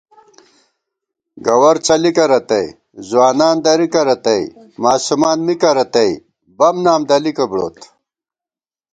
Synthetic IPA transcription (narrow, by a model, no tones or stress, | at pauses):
ɡɐwɐɾt͡sɐlikɐɾɐt̪ɐj | zwaːnaːnd̪ɐɾikɐɾɐt̪ɐj | maːsumaːnmikɐɾɐt̪ɐj | bɐmnaːmd̪ɐlikɐbɽo̰ːt̪